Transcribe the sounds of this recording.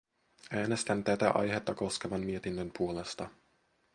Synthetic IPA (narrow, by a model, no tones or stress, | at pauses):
æːne̞st̪ænt̪æt̪æ̰ʔɑ̰jɦe̞t̪ːɑko̞ske̞ʋɑnmie̞t̪inːømpuole̞st̪ɑ